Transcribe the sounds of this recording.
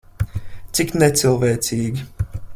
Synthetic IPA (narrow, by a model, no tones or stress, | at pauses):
t̪siknɛsilˠvɛːsiːɡʲi